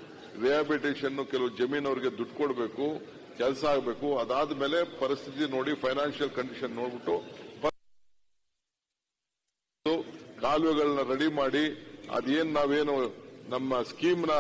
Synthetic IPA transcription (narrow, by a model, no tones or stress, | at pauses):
ɾiaːbiʈeːʃɐnːukɛlɐʋud͡ʒɐmiːnɐʋɾiɡe̞d̪uʈːkoɽbe̞ːku | kɛlsɐaːɡbe̞ːkuɐd̪aːd̪ɐme̞ːle̞pɐɾist̪ʰit̪ino̞ːɽipʰɐjnaːnʃijɐlkɐɳɖiʃɐnːo̞ːɽbiʈːupɐ | uɡaːlʋɛɡɐɭɐnːɐɾɐɽimaːɽiɐ̰d̪e̞ːnnaːʋe̞ːnunɐmːɐskiːmnɐ